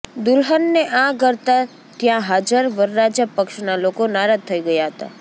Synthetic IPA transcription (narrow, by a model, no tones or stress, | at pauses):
d̪ʊlɦənːeʔãɡəɾt̪a | t̪jãɦad͡ʒəɾʋəɾːad͡ʒapəkʃnalokonaɾat̪ʰːəiɡəjaɦət̪a̰